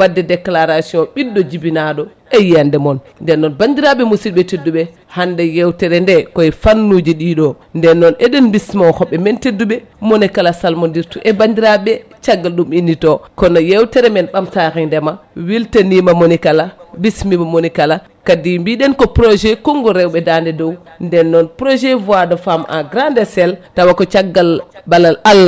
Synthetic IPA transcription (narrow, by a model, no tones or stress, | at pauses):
wadːɛdɛklaɾasiɔ̃ɓidːɔd͡ʒibinaɗɔ | ejiandɛmɔn | ndɛnːɔnbandiɾaɓɛmosiɗɓɛtedːuɓɛ | handɛjewtɛɾɛndɛkɔjifanːud͡ʒiɗiɗɔ | ndɛnːɔneɗinbismɔhɔɓːɛmɛntedːuɓɛ | monɛkalasalmondiɾtuʔɛbandiɾaɓɛ | t͡ʃaɡalɗuminːitɔkɔnojewteɾɛmɛnɓamtaxindɛmawiltenimamonikalabismimamonikala | kadimbiɗɛnkɔpɾoʃekoŋɡɔɾewɓɛdandɛdow | ndɛnːɔnpɾoʒevuadofama̰ɡɾandesɛltawakɔt͡ʃaɡːalbalalal